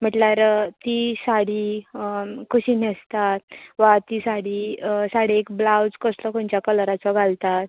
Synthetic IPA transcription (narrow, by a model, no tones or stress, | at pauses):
m̤əʈlaɾt̪isaɽi | kʰuɕiːnest̪at̪ʋat̪isaɽisaɽ̤eːkblawd͡zkəslɔkoɳt͡ɕjakəlɾat͡sɔɡʱalt̪at̪̚